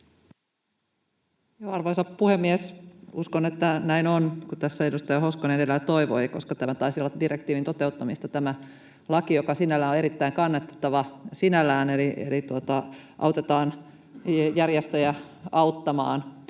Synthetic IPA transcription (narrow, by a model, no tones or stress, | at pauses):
joɑrʋojsɑppuhemːiesuskonet̪ːænæinonkut̪æsːæe̞dust̪ɑjɑho̞skonedelːæt̪o̞iʋo̞ijkoskɑt̪æmæt̪ɑisiolːɑdiɾekt̪iːʋint̪o̞t̪e̞ut̪ːɑmist̪ɑt̪æmæ | lɑkijokɑsinælːæːnoe̞ɾit̪ːæiŋkɑnːet̪ːe̥t̪ːɑʋɑsinælːˑæːneliʔḛlit̪uot̪ɑʔɑ̰wt̪et̪ɑːn | jærjest̪øjæ | ɑut̪ːɑmɑ̰ːn